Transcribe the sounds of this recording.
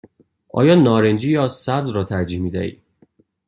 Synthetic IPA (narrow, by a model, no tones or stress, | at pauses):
ʔɒ̰ːjɒːnɒːɾend͡ʒiːjɒːsæbd̪ɾɒːt̪ʰæɾd͡ʒiːhmiːd̪æʔḭː